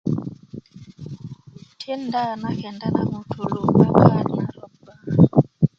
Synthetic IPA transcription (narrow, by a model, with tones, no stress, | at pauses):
tʰi˦nda˦na˨kɛ˨nda˦na˨mu˨tʰu˨lu˦a˨ka˦ɲa˨˦